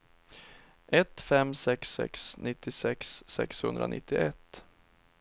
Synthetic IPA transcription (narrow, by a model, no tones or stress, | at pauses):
ʔɛt̪fɛmsɛksːɛ̰ksnɪt̪ːɪsɛksːɛ̰kshɵnd̪ɾa̰nʔɪ̰t̪ːɪʔɛt̪ː